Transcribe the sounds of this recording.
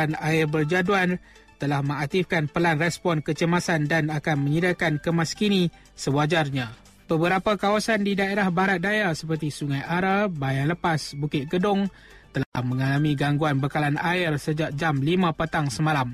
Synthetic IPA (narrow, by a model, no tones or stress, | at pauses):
anaɪrbərd͡ʒaduan | t̪əlahmə̃ŋak̚t̪ifkanpəlanrɛspɔnkət͡ʃəmasandanakanmə̃ɲidakankəmaskinĩ | səbad͡ʒarɲã | b̥əbəɾapakawasandidaeɾahbaɾat̪̚dajasəpərt̪isuŋajaɾabajaŋləpasbukɪt̪̚ɡədʊŋ | t̪əlahmə̃ŋalamĩɡaŋɡuanbəkalanaɪrsəd͡ʒak̚d͡ʒamlimãpət̪aŋsəmãlam